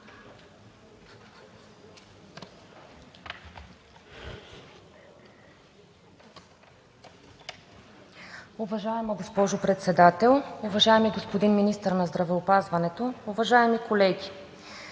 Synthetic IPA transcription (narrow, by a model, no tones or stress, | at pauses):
ʊvɐʒaɛmɐɡospɔʒʊpɾɛt̪sɛd̪at̪ɛlˠʊvɐʒaɛmiɡospod̪inminist̪əɾnɐzd̪ɾɐvɛopazvɐnɛt̪oːvɐʒaɛmikolɛɡʲi